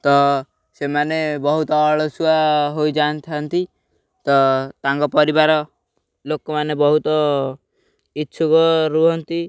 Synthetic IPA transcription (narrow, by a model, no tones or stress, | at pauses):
t̪ɔ | semanebɔɦut̪ɔːɭɔsuaɦojd͡ʒant̪ʰant̪i | t̪ɔt̪aŋkɔpɔɾibaɾɔ | lokɔmanebɔɦut̪ɔ | itːʃʰukɔɾuɦɔnt̪i